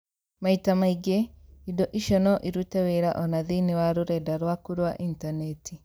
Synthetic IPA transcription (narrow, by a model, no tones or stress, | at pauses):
maitamaiɡɛidɔʔiʃɔnɔʔiɾutɛwɛɾaʔɔnaðinewaɾoɾɛdaɾwakuɾwaʔintanɛtʰi